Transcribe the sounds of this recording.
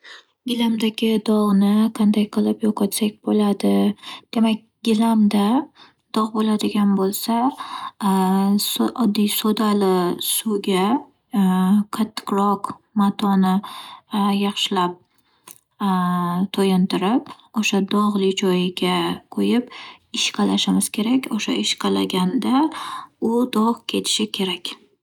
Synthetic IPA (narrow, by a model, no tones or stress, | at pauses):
ɡʲɪlamd̪aɡʲɪd̪ɒʁnɪqʰɑnd̪ajqʰɨlˠɪpjɒqʰɒt̪sak̚ʲbolad̪ɪd̪̥e̞mak̚ʲɡʲɪlamd̪a | d̪̥ɒʁbolad̪ɪɡʲanbolˠsa | sʔɒd̪ːijsod̪alɪsuɡʲa | qʰat̪ʰːɪ̥qɾɒqmat̪ʰɒnɪ | jɑχʃɪlap̚ | t̪ʰojɪnt̪ɪɾɪp | oʃad̪ɒʁlˠɪt͡ʃʰɒjɡʲaqʰojɪpɪʃqʰɑlaʃɪmɪz̥kʲʰe̞ɾakʲoʃa̰ɪʃqʰɑlaɡʲand̪a | ʊd̪ɒʁkʲʰe̞t̪ʰɪ̥ʃɪkʲʰe̞ɾakʲ